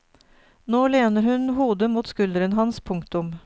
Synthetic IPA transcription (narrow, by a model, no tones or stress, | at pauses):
noːleːnəɾhʉnɦuːd̪əmuːt̪skʉld̪əɾənɦɑnspʰʊŋkt̪ʊm